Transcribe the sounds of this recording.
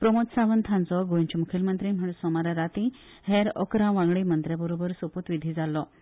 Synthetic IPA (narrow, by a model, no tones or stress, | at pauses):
pɾəmot̪saʋənt̪ʰãnd͡zɔɡojɲt͡ɕumukʰilmənt̪ɾiːm̤əɽ̃usɔmaɾaɾat̪i | heɾɔ̰kɾãʋãŋɡɽiːmənt̪ɾjabəɾobəɾsopət̪ʋid̪ʱiːd͡zalːɔ